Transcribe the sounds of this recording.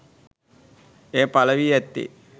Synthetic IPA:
eːpalɐʋiɛt̪ːḭ

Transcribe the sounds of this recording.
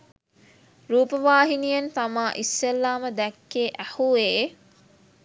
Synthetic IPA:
ruːpəʋaːɦinijɐnt̪amaːʔisːelːaːməd̪ɛkːeːʔæhueː

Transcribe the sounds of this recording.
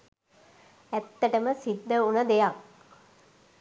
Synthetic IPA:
æt̪ːəʈəməsid̪ːəunəd̪ejak̚

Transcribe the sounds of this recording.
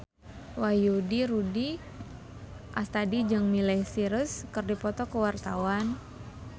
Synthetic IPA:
wajudiɾudi | ʔast̪adid͡ʒɨŋmilɛhsiɾəskərdipɔt̪ɔkəwart̪awan

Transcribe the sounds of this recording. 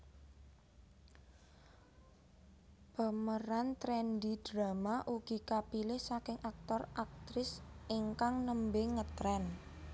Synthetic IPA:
b̥a̤məɾant̪ɾɛndid̥ɾamaʔuɡ̥i̤kapilɪhsakɪŋʔak̚t̪ɔrak̚t̪ɾɪsʔɪŋkaŋnəmbeŋət̪ɾɛn

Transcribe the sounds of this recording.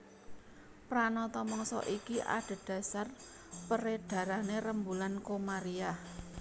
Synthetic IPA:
pɾanɔt̪ɔmɔŋsɔ̰ʔikiʔa̰ɖ̥a̤d̥ä̤sar | pəɾed̥ä̤ɾaneɾəmbulankomaɾiah

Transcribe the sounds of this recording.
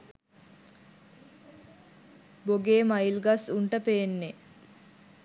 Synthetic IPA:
boɡeːmailɡasuɳʈəpeːnːe

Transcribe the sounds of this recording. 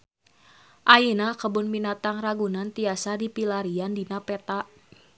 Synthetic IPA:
ʔajinakəbʊnminat̪aŋraɡunant̪iasadipilaɾiandinapɛt̪aʔ

